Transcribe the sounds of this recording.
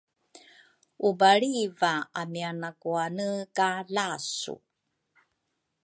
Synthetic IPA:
ubaɭivaamianakuanəkalasṵ

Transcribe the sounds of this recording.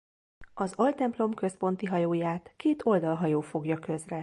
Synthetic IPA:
ɒzolt̪ɛmplo̞mkø̞spo̞n̪t̪iɦɒjoːjaːt̪keːt̪o̞ld̪ɒlɦɒjoːfo̞ɡjɒkø̞zrɛ

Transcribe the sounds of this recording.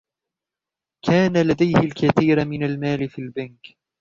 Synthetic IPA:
kʰaːnalad̪ajhɪlkaθiːɾmɪnalmaːlɪfiːlbank

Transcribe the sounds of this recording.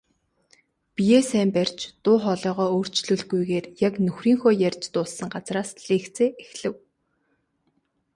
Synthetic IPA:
pijeːsæːmpærʲt͡ɕt̪ʊːχɔɮɔːʁɔːoːr̥t͡ɕɮɵ̆ɮɣujɣeːrjaknɵxriːŋxʊːjærʲt͡ɕt̪ʊːsːə̆ŋɢat͡sraːsɮ̥eːkt͡seːʔexɮɘ̆w

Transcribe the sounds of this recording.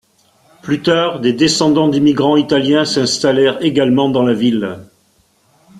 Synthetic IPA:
plyt̪aʁd̪ed̪esɑ̃d̪ɑ̃d̪imiɡʁɑ̃it̪aljɛ̃sɛ̃st̪alɛʁeɡalmɑ̃d̪ɑ̃lavil

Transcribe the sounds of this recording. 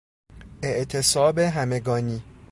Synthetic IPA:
eʔt̪ʰesɒːbeɦæmeɡɒːniː

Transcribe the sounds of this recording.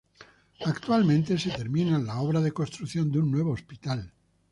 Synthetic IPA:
akt̪ualmẽnt̪e̞set̪eɾmĩnalaoβɾaðekost̪ɾuθjo̞nd̪eunːwe̞β̞oːspit̪al

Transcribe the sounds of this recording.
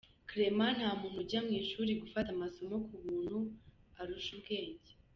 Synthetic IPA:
kɾeman̥haːmumuɾɟamŋiːʃuɾiɡufatamaso̞mo̞kuβuːn̥huaɾuʃubɡe̞ːɲɟe

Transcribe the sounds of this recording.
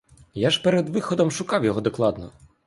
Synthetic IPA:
jaʂpɛɾɛd̪vɨxɔd̪ɔmʂukawjɔɣɔd̪ɐklˠad̪nɔ̰

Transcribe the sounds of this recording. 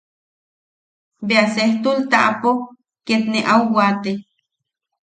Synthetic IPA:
beaseht̪ult̪aʔapo | ket̪neʔawwat̪e

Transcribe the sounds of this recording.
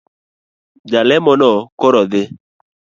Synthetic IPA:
d͡ʒalɛmɔnɔkɔɾɔd̪ɪ

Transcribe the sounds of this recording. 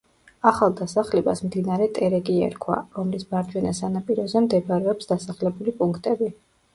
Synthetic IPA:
aχalˠd̪asaχlɛbasmd̪inaɾɛt̪ʼɛɾɛɡiɛ̰ɾkʰwa̰ɾɔmlisbaɾd͡ʒʼwɛnasanapʼiɾɔzɛmd̪ɛbaɾɛɔpsd̪asaχlɛbulipʼuŋkʰt̪ʼɛbi

